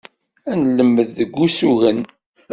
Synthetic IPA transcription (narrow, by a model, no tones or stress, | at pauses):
ænlːəmːəððəɡʷːusuɣən